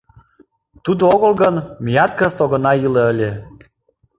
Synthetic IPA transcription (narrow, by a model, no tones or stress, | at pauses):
t̪ud̪ooɣəlˠɣənmijɑt̪̚kəst̪oɣɤ̆nɑileəlʲe